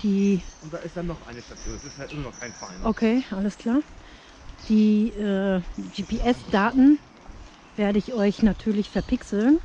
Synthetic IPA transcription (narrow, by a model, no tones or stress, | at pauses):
d̥iːʊnt̚d̥aːɪstd̥anːɔχʔa̰ɪnəʃtat͡sʰuːsɪstjaʔɪmɐnɔχkʰaɪnfaɪnokʰeːʔaləskʰl̥aːɐ | d̥iːʔɛːd͡ʒiːpʰeʔɛsd̥aːtn̩ | veːɐdəɪçʔɔʏçnatʰyːɐlɪçfɛɐpʰɪksl̩n